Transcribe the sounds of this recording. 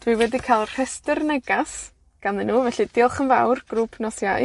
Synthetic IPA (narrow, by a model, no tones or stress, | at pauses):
d̥wiwɛdikʰalˠr̥ɛstɪrnɛɡas | ɡ̥anɨnːuːvɛɬid̥ɪlˠχənvawrɡ̥rupʰnɔsja̰j